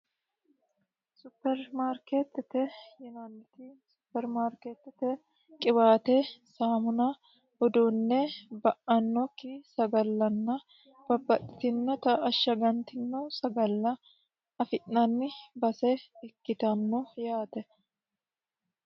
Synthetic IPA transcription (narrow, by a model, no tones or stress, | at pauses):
sʊpːɛɾmaːɾket̪ːɪt̪ɛjɛnɐnːɪt̪ɪsʊpːɛɾmaːɾkeːt̪ːɪt̪ɛ | kʼɪbaːt̪ɛsaːmʊnɐ | hɔd̪unːɛbɐʔɐnːɔkːɪsɐɡɐlːɐnːɐ | b̥ɐbːɐt̪ʼːɪt̪ɪnːɔt̪ɐʔɐʃːɐɡɐnt̪ɪnːɔsɐɡɐlːɐ | ɐfɪʔnɐnːɪbɐsɛɪkːɪt̪ɐnːɔjaːt̪ɛ